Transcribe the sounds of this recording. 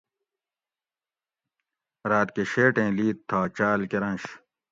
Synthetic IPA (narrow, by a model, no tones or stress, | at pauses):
ɾaːt̪̚keɕeːʈẽːliːtt̪ʰːaːt͡ɕaːlkeɾɐ̃nɕ